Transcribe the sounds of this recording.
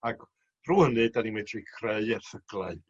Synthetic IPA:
aɡ | ruːhənɨdanimɛtʰrikʰreɨɛrθəɡ̥laɨ

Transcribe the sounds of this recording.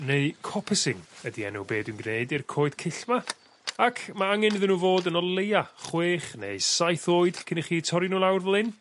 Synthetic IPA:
neɨkʰɔpʰəsɪŋədiɛ̰nɔ̰wbeːdwɨnɡneɨdirkʰoːɨd̥kʰɪɬma | akʰmaaŋɛnɨðənuːvoːdənɔlˠejaχweːχnḛjsajθoːɨd̥kʰɪniχiːtʰɔɾinuːlˠawrvlˠɪn

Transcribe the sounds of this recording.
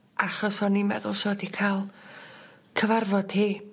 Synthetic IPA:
aχɔsɔnimɛ̰ðʊlˠʃowədikʰalˠ | kʰəvarvɔd̥hiː

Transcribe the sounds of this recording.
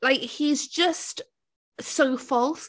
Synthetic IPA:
laɪkhizd͡ʒʌst | soʊfɔlˠs

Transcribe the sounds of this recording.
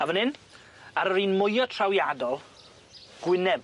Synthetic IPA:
avənɪn | aɾəɾiːnmʊjɔtʰrawjadɔlˠ | ɡ̥wɪnɛb

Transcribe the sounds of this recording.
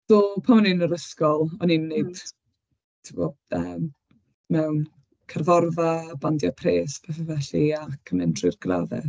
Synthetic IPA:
dopʰamninəɾəskɔlˠɔninːeɨd̥ | tʰɪbɔ | ə̰ːm | mɛwn | kʰarvɔrvabandjapʰreːspʰɛθɛvɛɬiakʰəmɛndʰrɪrɡla̰ðɛ̰

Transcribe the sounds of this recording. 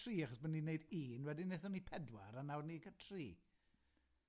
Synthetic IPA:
riːaχɔsbənːineɨdiːnwɛdineθɔnipʰɛdwa̰ɾanawrnikətʰriː

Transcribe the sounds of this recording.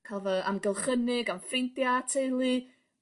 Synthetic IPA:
kʰalˠvɔamɡɛlˠχənɪɡamfrɪntjatʰejlˠi

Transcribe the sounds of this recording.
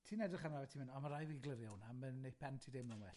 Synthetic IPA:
tʰiːnɛdrɪχanavɛtʰiːmɪnɔmaɾajviɡlˠəɾjawnamənːejpʰɛntʰidemnɔnwɛɬ

